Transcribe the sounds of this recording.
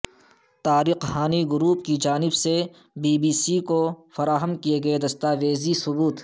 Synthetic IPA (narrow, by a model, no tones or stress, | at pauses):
t̪aːɾɪqhaːniɡʊɾuːp̚kid͡ʒaːnɪbse | biːbiːsikofɐɾaːɦəmkieɡɐed̪ɐst̪aːʋeːzisʊbuːt̪